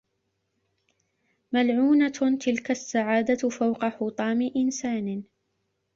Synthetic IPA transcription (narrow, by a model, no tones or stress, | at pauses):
malʕuːnat̪ɪlkasːaʕaːd̪afawqɑħʊt̪ˤɑːmɪʔɪnsaːnɪ